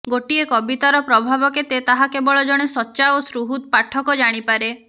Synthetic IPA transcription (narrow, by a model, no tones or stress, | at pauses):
ɡoʈiekɔbit̪aɾɔpɾɔbʱabɔket̪et̪aɦakebɔɭɔd͡ʒɔɽ̃esɔtːʃaosɾuɦud̪̚paʈʰɔkɔd͡ʒaɽ̃ipaɾe